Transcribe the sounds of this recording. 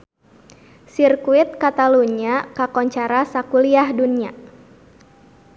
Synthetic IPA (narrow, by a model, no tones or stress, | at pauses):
sirkuɪt̪̚kat̪aluniakakɔɲt͡ʃaɾasakuliahdunia